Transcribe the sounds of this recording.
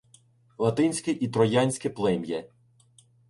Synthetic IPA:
lˠɐt̪ɪnʲsʲkɪʔit̪ɾɔjɑnʲsʲkɪplˠɪmjɛ

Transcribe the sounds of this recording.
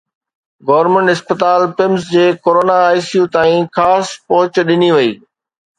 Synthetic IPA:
ɡoːʋɾmẽɳʈɪspət̪aːlpɪmsd͡ʑeːkoːɾoːnaːɪsjũt̪aːĩxaːspɐɦʊt͡ɕɗɪniʋɐiː

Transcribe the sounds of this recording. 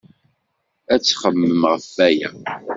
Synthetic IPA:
æt͡sːχəmːəmʁəfːæjæ̰

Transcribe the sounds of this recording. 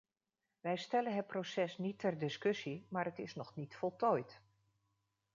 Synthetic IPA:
ʋɛjstɛlənɦət̚prosɛsnitʰːɛrdɪskɵsimaːɾətɪsnɔxnitfɔlˠtʰɔjt

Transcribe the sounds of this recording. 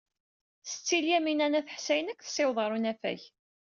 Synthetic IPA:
sə̥t͡sːiljæminænæθəħsæjənækʷːθə̥sɪwðˤɑɾˤunæfæ̰ç

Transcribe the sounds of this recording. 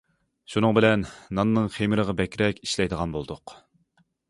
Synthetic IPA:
ʃunɨŋbɪlɛnːɑnːɨŋχemɪɾəʁɑbɛkʲɾɛkʲi̥ʃlɛjd̪əʁɑnbolˠd̪ʊq

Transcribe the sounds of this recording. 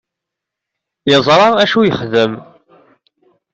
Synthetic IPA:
jɪzˤɾˤɑæʃujəχðəm

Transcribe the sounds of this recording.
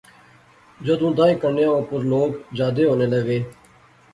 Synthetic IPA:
d͡ʒəd̪ũːd̪ãːĩːkəɳjãːõːpʊɾloːɡd͡ʒaːd̪eːɦoːneːləɡeː

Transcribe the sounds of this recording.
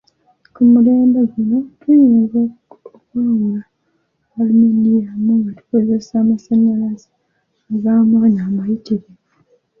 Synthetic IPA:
kumule̞ːmbeɡino̞tweɲuzokwaːŋɡaː | lumendijamuŋɡatu̥kozesaːmasaɲalazi | aɡaːmwaːnaːmajitiɾe

